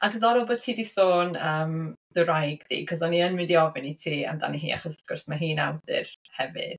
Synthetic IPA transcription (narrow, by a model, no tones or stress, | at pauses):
aɡəðɔɾɔbɔðtʰiːdisoːnəːmðɨɾajɡðḭːkʰɔsɔniənmɪndiɔvɪnitʰiːa̰mda̰niɦḭːa̰χɔsavɡ̥ʊrsmaɦiːnawdɪ̰rhɛvɨ̰d̥